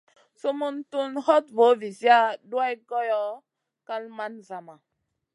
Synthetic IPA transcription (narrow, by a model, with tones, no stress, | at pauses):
so˦mu˦ntu˦nhɔ˦t̚vo˨˦vi˨si˦a˦du˦a˦jɡɔ˦jɔ˦ | ka˦lma˦nza˨ma˨